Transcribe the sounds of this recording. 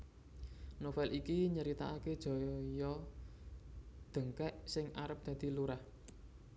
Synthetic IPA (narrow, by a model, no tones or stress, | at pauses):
nofɛlʔikiɲəɾit̪aaked̥ʒ̥ɔ̤jɔ | d̪̥ə̤ŋkɛʔsɪŋaɾəp̚d̪̥ä̤d̪̥i̤luɾah